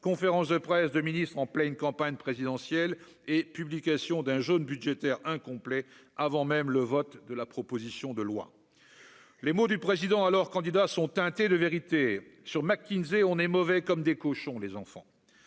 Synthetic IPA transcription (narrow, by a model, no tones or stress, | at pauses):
kɔ̃feʁɑ̃sd̪əpχɛsd̪əminist̪χɑ̃plɛnkɑ̃paɲpχezid̪ɑ̃sjɛl | epyblikʲasjɔ̃d̪ɛ̃ʒonbyd̪ʒet̪ɛʁɛ̃kɔ̃plɛ | avɑ̃mɛmləvɔt̪d̪əlapχɔpozisjɔ̃d̪əlwa̰ | lemod̪ypχezid̪ɑ̃alɔʁkɑ̃d̪id̪asɔ̃t̪ɛ̃t̪ed̪əveʁit̪esyʁmakʲːinzeɔ̃nɛmɔvɛkɔmd̪ekoʃɔ̃lezɑ̃fɑ̰̃